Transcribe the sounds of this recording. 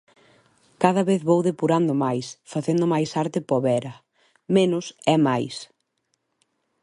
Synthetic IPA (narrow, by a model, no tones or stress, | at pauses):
kaðɐβeθβowðepuɾand̪ʊmajsfaθend̪ʊmajsaɾt̪ɪpɔβɛɾɐ | menʊsɛmajs